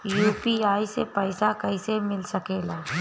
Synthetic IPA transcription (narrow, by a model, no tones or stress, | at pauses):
juːpiːaːisepɛːsakɐɪsemɪlsɐkeːlaː